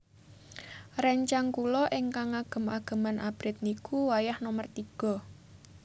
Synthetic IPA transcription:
rɛɲt͡ʃaŋkulɔʔɪŋkaŋaɡ̥ə̤maɡ̥ə̤manʔab̥ɾɪt̪̚nikʰuwajahnɔmərt̪iɡ̥ɔ̤

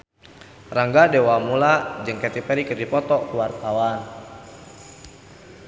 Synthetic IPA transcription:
raŋɡadɛwamulad͡ʒɨŋkɛt̪ipɛɾikərdipɔt̪ɔkuwart̪awan

